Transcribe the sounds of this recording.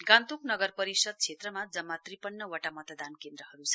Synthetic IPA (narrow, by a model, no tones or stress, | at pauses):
ɡãnt̪uknʌɡʌrpʌɾisʌd̪̚t͡sʰet̪rʌmad͡zʌmːat̪ripʌnːʌwʌʈamʌt̪d̪ankend̪ɾʌɦʌɾut͡sʰʌ